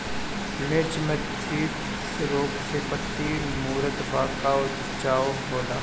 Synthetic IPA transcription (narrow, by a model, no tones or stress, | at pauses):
meːt͡ʃmẽ | t͡ʃʰiːt̪ | sɾoːksepət̪ːiːnmuːɾət̪baːkaʊt̪ | t͡ʃaːoɦoːlaː